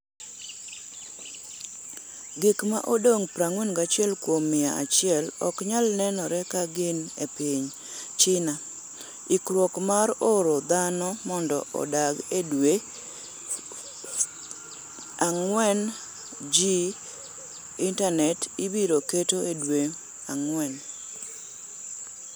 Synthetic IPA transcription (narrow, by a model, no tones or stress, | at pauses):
ɡɪkma̰ʔodoŋpɾaŋwɛnɡat͡ʃɪɛlkwomːɪaa̰t͡ʃɪɛlɔkɲalnɛnɔɾɛkaɡɪnepɪɲ | t͡ʃɪna | ɪkɾwɔkmaɾoɾod̪anɔmɔndɔ̰ɔ̰daɡedwe | aŋwɛn | d͡ʒi | intanɛtibiɾoketoedwe | aŋwɛn